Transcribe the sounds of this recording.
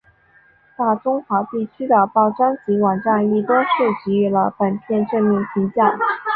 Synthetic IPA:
t̪a˥˩ʈ͡ʂʊ˥ŋxwa˧˥t̪i˥˩t͡ɕʰy˥d̪ə˨˩pɑ˥˩ʊʈ͡ʂa˥nt͡ɕi˧˥wɑ˨˩ŋʈ͡ʂa˥˧ni˥˩t̪wɔ˥ʂ̩˥˩t͡ɕi˧˥y˥˩lə˧pə˨˩npʰjɛ˥˧nʈ͡ʂɤ˥˧nmi˥˩ŋpʰi˧˥t͡ɕjɑ˥˩ŋ

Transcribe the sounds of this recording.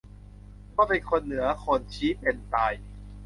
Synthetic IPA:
kɔː˥˩pe˧nkʰo˧nːɯ˩˦ɐkʰo˧nt͡ɕʰiː˦˥pe˧nt̪aː˧j

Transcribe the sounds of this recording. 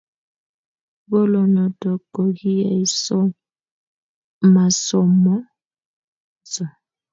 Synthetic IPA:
bɔ˦lɔ˨nɔ˨tɔ˨kɔ˨ɣi˦a˨i˨sɔ˦ | ma˨sɔ˨mɔ˦ | t͡sɔ˨

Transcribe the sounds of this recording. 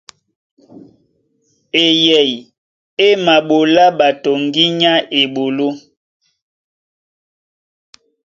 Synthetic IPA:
e˨jɛ˨j | e˦ma˨ɓo˨la˦ɓa˨to˨ŋɡi˦ɲa˦ʔe˨ɓo˨lo˦

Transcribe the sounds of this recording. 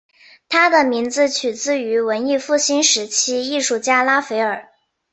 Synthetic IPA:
t̪ʰa˥d̪ə˨mi˧˥ŋd͡zɹ̩˧t͡ɕʰy˨˩t͡sɹ̩˥˩y˧˥wə˧˥ni˥˧fu˥˩ɕi˥nʂɻ̩˧˥t͡ɕʰi˥i˥˧ʂu˥˩t͡ɕja˥la˥fe˧˥ɪə˞˨˩˦

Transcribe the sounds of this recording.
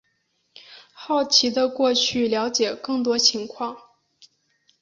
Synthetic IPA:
xɑ˥˩ʊt͡ɕʰi˧˥d̪ə˧kwɔ˥˧t͡ɕʰy˥˩ljɑ˧˥ʊt͡ɕjɛ˨˩kɤ˥˩ŋt̪wɔ˥t͡ɕʰi˧˥ŋkʰwɑ˥˩ŋ

